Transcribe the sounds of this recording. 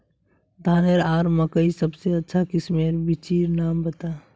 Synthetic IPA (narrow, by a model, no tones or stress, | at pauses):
d̪ʱaːneɾaːɾməkəisəbseɐtːʃʰakɪsmeːɾbɪt͡ʃiːɾnaːmbət̪a